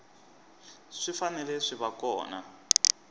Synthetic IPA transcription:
ʂifanɛlɛʂiβakɔ̰ːna̰

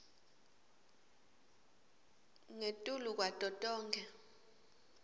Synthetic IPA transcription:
ŋetʼuluk̬ʼwatʼɔtʼɔːŋɡʱɛ

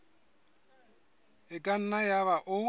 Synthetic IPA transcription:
ɪkʼan̩najaβaʔʊ

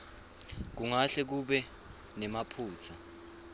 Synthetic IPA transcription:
k̬uŋaɬɛk̬uɓɛ | nɛmapʰuːt͡sʰa

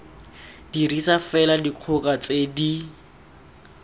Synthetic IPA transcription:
d̥irisafɛladiq͡χʰʊkʼat͡sedi

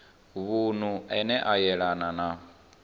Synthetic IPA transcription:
βun̤uʔɛnɛʔajɛɺanana

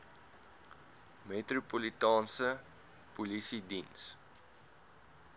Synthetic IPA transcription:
metrupolitɑːnsə | pulisidins

